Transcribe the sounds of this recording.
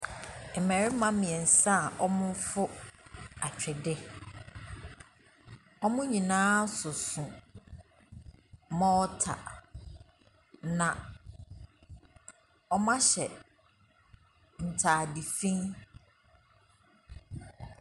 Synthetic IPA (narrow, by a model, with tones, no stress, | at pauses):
mɛ˨ɾɪ˦mã˦mĩ˨ɛ̃˨n̩˨sa˦˨ʔɔ˦mʊ̃˦fʊ˦ | a˨t͡ɕᶣɪ˨dɪ˦ | ɔ˦mʊ̃˦ɲĩ˨nãː˦sʊ˨sʊ̃˨ | mɔ̃˦ɔ˦tʰa̰˨ | nã˨ | ɔ˦mã˦ɕɛ˨ | n̩˨tʰaː˨di˨fĩ˦ŋ